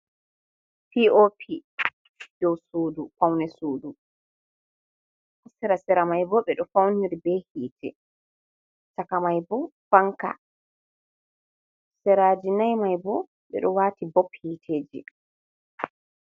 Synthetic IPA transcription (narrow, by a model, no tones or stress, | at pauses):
piopʰi | d̥ɔwsoːdufawnɛsoːdu | hasɛɾasɛɾamajbɔɓɛɗɔfawniɾbɛhiːtʰɛ̰ | takamajbɔfaŋka̰ | sɛɾaːd͡ʒinajmajbɔ | ɓɛ̰ɗɔwaːtibɔphiːtʰeːd͡ʒḭ